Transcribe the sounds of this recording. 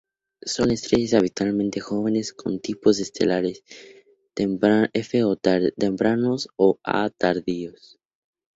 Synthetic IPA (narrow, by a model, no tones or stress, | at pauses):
so̞ne̞st̪ɾeʝes̬aβit̪walmẽnt̪e̞xo̞β̞e̞ne̞skʰo̞̰nt̪ipo̞z̬est̪e̞̰laɾes | efeot̪empɾanosoa̰t̪aɾðios